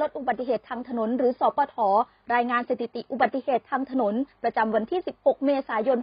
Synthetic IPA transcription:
o˦˥t̪̚ʔu˨˩ba˨˩t̪ːi˨˩ɦeː˨˩t̪ʰːaː˧ŋt̪ʰa˧no˩˦nɾɯː˩˦sɔː˨˦pɔː˧t̪ʰɔː˩˦ | ɾaː˧jŋaː˧nseː˨˧˩t̪ʰi˨˧˩t̪i˨˩ʔu˨˩ba˨t̪̚ːi˧˩heː˨˩t̪ʰːaː˧ŋt̪ʰa˧no˩˦npɾa˧t͡ɕa˧mwa˧nt̪ʰiː˥˩si˨˩p̚ho˨˩k̚meː˧saː˩˦jo˧n

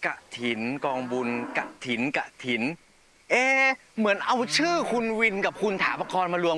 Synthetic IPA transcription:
ka˨˩ʔt̪ʰi˩˦nkɔː˧ŋbu˧nka̰˨˩ʔt̪ʰi˨˩˦nka̰˨˩ʔt̪ʰi˩˦n | ʔeː˧˩ | mɯ˩˦ənʔa˧wt͡ɕʰɯː˥˩kʰu˧nwi˧nka˨˩p̚kʰu˧nt̪ʰaː˩˦mpa˧kʰɔː˧nmaː˧lu˧ə

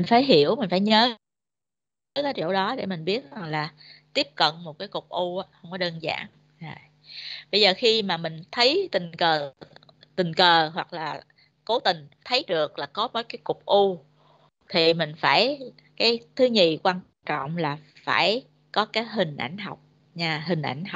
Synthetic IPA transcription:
mï˨˩ŋ̟faː˧˩jɦi˧˩˨əwmï˨˩ŋ̟faː˧˩jɲəː˨˦ | əː˨˦kaː˨˦jt͡ɕo̰˧˩ɗɔ˨˦ɗḛ˧˩mï˨˩ŋ̟ɓi˦˥ət̚za˨˩ŋlaː˨˩ | t̪i˦˥əp̚kə̰˧˨nmo˨˩t̚kaː˨˦jkʊ˨˩k͡p̚ʔu˧ʔaː˨˦hə˧wŋ͡mkɔ˨˦ɗəː˧nza̰ː˧˩ŋ | zo˨˩j | ɓə˧jzəː˨˩xi˧maː˨˩mï˨˩ŋ̟t̪ʰə˨˦jt̪ï˨˩ŋ̟kəː˨˩ | t̪ï˨˩ŋ̟kəː˨˩ɦwa˨˩k̚laː˨˩ | ko˨˦t̪ï˨˩ŋ̟t̪ʰə˨˦jɗɨ˨˩ək̚laː˨˩kɔ˨˦məː˨˦jkaː˨˦jkʊ˨˩k͡p̚ʔu˧ | t̪ʰi˨˩mï˨˩ŋ̟faː˧˩j | kaː˨˦jt̪ʰɨ˨˦ɲi˨˩kwaː˧n | t͡ɕɔ̰˧˨wŋ͡mlaː˨˩ | faː˧˩j | kɔ˨˦kaː˨˦jɦï˨˩ŋ̟ʔa̰˧˩jŋ̟ɦa˨˩wk͡p̚ | ɲaː˧ɦï˨˩ŋ̟ʔa̰˧˩jŋ̟ha˨˩

